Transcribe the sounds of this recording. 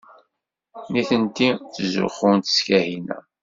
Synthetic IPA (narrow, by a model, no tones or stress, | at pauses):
niθənt̪iθzʊ̰χʊnt̪ə̥skæhinæ̰